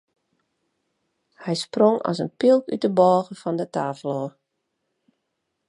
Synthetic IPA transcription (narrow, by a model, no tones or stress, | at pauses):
hɛjsproŋɔ̰sənpilˠkytəbɔːɣəfɔndətaːvəlˠoːr